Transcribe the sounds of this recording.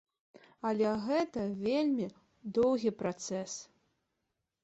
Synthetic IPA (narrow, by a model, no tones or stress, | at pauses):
ɐlʲɛɣɛt̪ɐvʲelʲmʲi | d̪ɔwɣʲipɾat̪sɛs